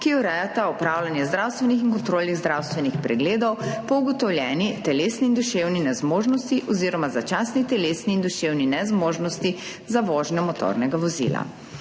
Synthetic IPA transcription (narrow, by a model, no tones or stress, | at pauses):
kiɔɾɛjat̪aɔpɾaːwlanjɛzd̪ɾawst̪ʋɛnixiŋkɔnt̪ɾoːlniɣzd̪ɾawst̪ʋɛnixpɾɛɡleːd̪ɔwpɔuɡɔt̪ɔwlʲjɛːnit̪ɛleːsniːnd̪uʃewninɛzmoːʒnɔst̪iʔɔziːɾɔmazat͡ʃasnit̪ɛleːsniːnd̪uʃewninɛzmoːʒnɔst̪i | zaʋɔːʒnɔmɔt̪o̰ɾnɛɡaʋɔzḭːla̰